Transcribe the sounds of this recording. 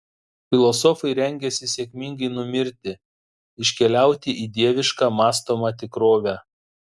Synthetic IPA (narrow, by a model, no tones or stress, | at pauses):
fʲɪlˠɔsɔfɐɪɾʲɛŋʲɡʲɛsʲɪsʲɛkʲmʲɪŋɡɐɪnʊmʲɪɾʲt̪ʲɪ | ɪʃʲkʲɛlʲæˑʊt̪ʲɪʔiːd̪ʲiɛʋʲɪʃkɑːmɑːst̪oːmɑt̪ʲɪkɾoːʋʲæː